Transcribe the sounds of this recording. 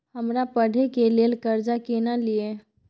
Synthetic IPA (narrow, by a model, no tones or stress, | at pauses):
ɦəmɾapəɽ̤ʱekelelkəɾd͡ʒakenalije